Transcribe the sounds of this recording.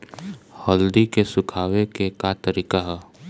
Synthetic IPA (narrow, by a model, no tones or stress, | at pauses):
hɐld̪ikesʊkʰaːwekekat̪əɾiːkaɦɛː